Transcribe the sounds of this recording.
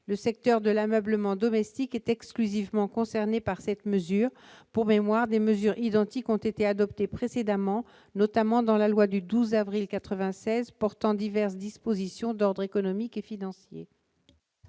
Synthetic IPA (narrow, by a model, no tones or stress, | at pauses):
ləsɛk̚t̪œʁd̪əlamœbləmɑ̃d̪ɔmɛst̪ikɛt̪ɛksklyzivmɑ̃kɔ̃sɛʁnepaʁsɛt̪məzyːʁpuʁmemwaʁd̪eməzyʁid̪ɑ̃t̪ikɔ̃t̪et̪ead̪ɔpt̪epχesed̪amɑ̃ | nɔt̪amɑ̃d̪ɑ̃lalwad̪yd̪uzavʁilkat̪χəvɛ̃sɛzpɔʁt̪ɑ̃d̪ivɛʁsd̪ispozisjɔ̃d̪ɔʁd̪ʁekɔnɔmikefinɑ̃sjḛ